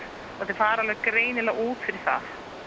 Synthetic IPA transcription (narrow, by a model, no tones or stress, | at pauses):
aθɪɾ̥faːɾalvɛɣkɾeːjnɪlaɣuːt̪fɪɾɪɾ̥θa̰θ